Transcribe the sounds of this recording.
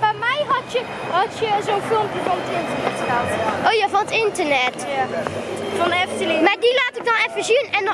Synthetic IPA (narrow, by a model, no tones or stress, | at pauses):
bɛmɛjɦɑtə | ɦɑtjəzonfɪlˠmpəvɔnətɪntəɹnɛtatʔowjaːvɑnətɪntəɹnɛt | fɑnɛftəlimaːɹdilaːtɪɡ̚dɑnɛfəziənɛn